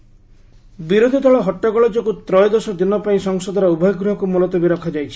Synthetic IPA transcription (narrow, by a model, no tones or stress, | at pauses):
biɾod̪ʱid̪ʱɔɭɔɦɔʈːɔɡɔɭɔd͡ʒɔkut̪ɾɔjd̪ɔsɔd̪inɔpaĩsɔŋsɔd̪ʱɔɾɔubʱɔjɔɡɾuɦɔkumulɔt̪ɔbiɾɔkʰɔd͡ʒajt͡ʃʰi̥